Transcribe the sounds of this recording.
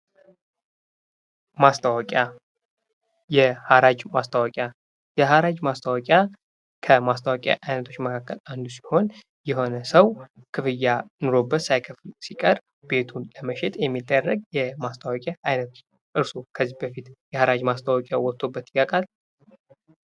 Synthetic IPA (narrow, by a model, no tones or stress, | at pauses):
mast̪ʰawɔkʼa | jɛhaɾad͡ʒmast̪ʰawəkʼa | jɛɦaɾad͡ʒmast̪ʰawɔkʼja | kʰəmast̪ʰawakʼja̰ʔajnət̪ʰo̞t͡ʃːməkʰakːəland̪usi̥ho̞n | jɛho̞nəsəw | kʰɨfɨjːanoɾo̞bːət̪sajkʰəflsikʼəɾ | be̞t̪ʰunləməʃet̪ʼjɛmːit̪ʼːərːəɡ̚jɛmast̪ʰawəkʼjaajnət̪ʰ | ʔɨɾsukʰəzːihbəfit̪jɛhaɾad͡ʒmast̪ʰawəkʼjawɔt̪ʰːo̞bːət̪ːikːakʼal